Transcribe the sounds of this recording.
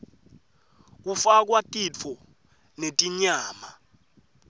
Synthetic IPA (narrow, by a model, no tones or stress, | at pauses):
k̬ufak̬watʼit͡fʰɔ | netʼiɲaːma